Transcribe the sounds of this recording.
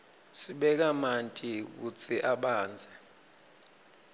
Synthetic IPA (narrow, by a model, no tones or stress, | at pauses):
siɓɛk̬amantʼik̬ut͡sʰʼiʔaɓaːnd͡zʱɛ